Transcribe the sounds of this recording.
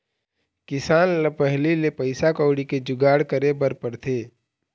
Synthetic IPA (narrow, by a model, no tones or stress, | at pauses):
kɪsaːnləpəɦlilepəɪsakɔːɽiked͡ʒʊɡaːɽkəɾebəɾpəɾt̪ʰeː